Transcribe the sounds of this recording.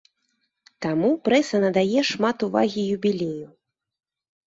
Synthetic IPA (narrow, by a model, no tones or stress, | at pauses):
t̪amupɾɛsɐnɐd̪ajɛʂmat̪uva̰ɣʲijubʲilʲeju